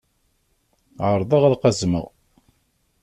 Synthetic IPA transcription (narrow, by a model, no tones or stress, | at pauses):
ʕəɾˤðˤəʁalqɑzmə̰ʁ